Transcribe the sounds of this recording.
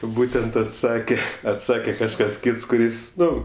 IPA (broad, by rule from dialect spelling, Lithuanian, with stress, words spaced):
ˈbuːtʲɛnt ɐtˈsɑːkʲɛ ɐtˈsɑːkʲɛ kɐʃˈkɐs ˈkʲiːts kʊˈrʲɪs ˈnʊ